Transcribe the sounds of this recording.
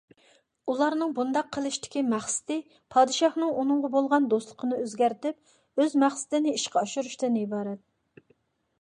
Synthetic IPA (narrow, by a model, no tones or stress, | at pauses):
ulˠɑɾnɨŋbund̪ɑqʰːəlˠɨʃt̪ɪ̥kʲimæχsɪ̥t̪ɪ | pʰɑd̪ɨʃɑhnɨŋunɨŋʁɑbolˠʁɑnd̪oslˠə̥qʰənɨøzɡʲæɾt̪ɪp̚ | øzmæχsɪ̥t̪ɪnɪiʃqɑɑʃuɾuʃt̪ɨnibɑːɾɛt̪̚